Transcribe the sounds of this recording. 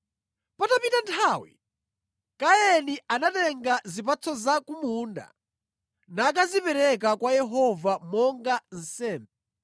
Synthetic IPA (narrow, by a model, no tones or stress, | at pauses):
patapitantʰawḭ | kaɛniʔanatɛŋɡazip̬at͡sʰɔzakumunda̰ | nak̬azipɛɾɛkakwajɛɦɔvamɔŋɡan̩sɛːmbɛ